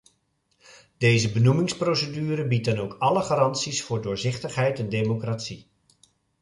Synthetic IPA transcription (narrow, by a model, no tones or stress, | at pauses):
d̥ejzəbənumɪŋsprowsədyːɾəbit̚dɑnowkɑləχaːɾɑnsisfʊːɹdʊːɹzɪχtəχɦɛjtɛndejmokratsi